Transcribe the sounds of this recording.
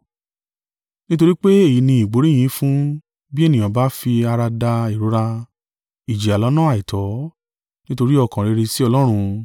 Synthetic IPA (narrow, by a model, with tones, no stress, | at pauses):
nĩ˦to˧ɾi˦k͡pe˦e˦˨ji˨˦nĩ˧i˨ɡ͡bo˨˦ɾĩ˦ĩ˨˦fũ˦ | bi˦ɛ˦˨nĩ˨ã˨˦ba˨˦fi˧a˧ɾa˧da˧i˨ɾo˨˦ɾa˧ | i˨d͡ʒi˨a˨lɔ˨˦nã˦a˨i˨tʰɔ˨˦ | nĩ˦to˧ɾi˦ɔ˧˨kã˨ɾe˨˧ɾi˧si˦ɔ˧lɔ˦ɾ̃ũ˧